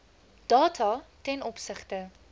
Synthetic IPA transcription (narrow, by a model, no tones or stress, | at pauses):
d̥ɑːtʰɐtɛnɔpsəχtə